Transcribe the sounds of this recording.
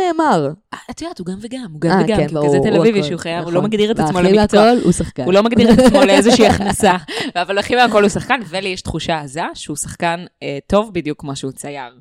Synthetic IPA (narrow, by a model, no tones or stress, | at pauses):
neːmaʁaat̪ijat̪uɡamveɡamuɡamveɡakiazet̪elaviviʃeuχajavulomaɡd̪iʁet̪atsmoletoolṵsaχkahulo̞maɡd̪iʁetaaatsmo̞leezeʃiːaχnasavavalaχimeako̞lusaχkanvelijɛʃt̪χuʃaːzaʃeusḁχkaneto̞vbidjukːmoʃeut͡sajaʁ